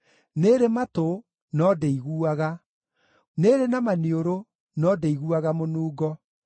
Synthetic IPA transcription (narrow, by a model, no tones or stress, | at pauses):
neɾemato | nɔːdeiɣuːaɣa | neɾenamanioɾo | nɔːdeiɣuaɣamonuːɡɔ